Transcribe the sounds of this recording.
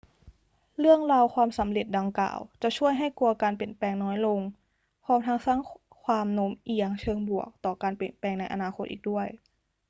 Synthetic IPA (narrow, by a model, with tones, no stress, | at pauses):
lɯ˥˩əŋɾa˧wkʰwaː˧msa˩˦mle˨˩t̪̚da˧ŋka̰ː˨˩wt͡ɕa˨˩t͡ɕʰu˥˩əjɦa˥˩jku˧ɐkaː˧npe˨˩ənpɛː˧ŋnɔː˦˥jlo˧ŋ | pʰɔː˧˥mt̪ʰa˦˥ŋsaː˥˩ŋ | kʰwaː˧mno˦˥mʔi˧˩əŋt͡ɕʰɤː˧ŋbu˨˩ək̚t̪ɔː˨˩kaː˧npe˨˩ənpɛː˧ŋna˧jʔa̰˧naː˧xʰo˦˥t̪ʔḭː˨˩k̚du˥˩əj